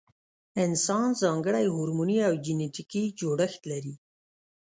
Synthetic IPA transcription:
ɪnsɑnzɑŋɡəɽajhuɾmuniawd͡ʒineʈikid͡ʒoɽəxt̪laɾi

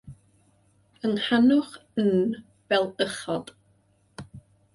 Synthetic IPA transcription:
ənhanʊχn | v̥ɛlˠəχɔd̥

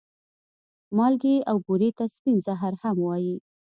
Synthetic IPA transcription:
mɑlɡeawɡuɾet̪aspinzaɦaɾhamwɑji

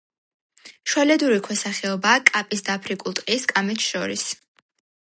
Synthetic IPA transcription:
ʃwalɛd̪uɾikʰwɛsaχɛɔbaːkʼapʼisd̪apʰɾikʼulˠt̪ʼqʼiskʼamɛt̪ʰʃɔɾis

